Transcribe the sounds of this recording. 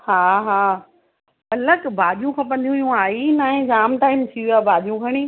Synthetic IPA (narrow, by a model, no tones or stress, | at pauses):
haːɦaː | ɐləkbʱaːɗijũkʰãːp̬ɐ̃nd̪ijũijũaːɦinaːɦẽd͡ʑaːmʈaːɪmt̪ʰiʋijaːbʱaːɗijũɡʰʱɐɽ̃iː